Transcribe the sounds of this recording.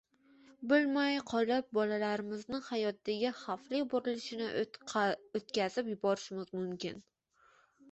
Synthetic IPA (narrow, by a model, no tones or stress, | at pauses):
bɪlmajqʰɒlap̚bɒlalaɾɪmɪznɪhajɒt̪dːaɡʲɪχaflɪbʊɾɪlɪʃɪnɪ | ot̪kʲazɪpjʊbɒɾɪʃɪmɪzmʊmkʲɪ̰n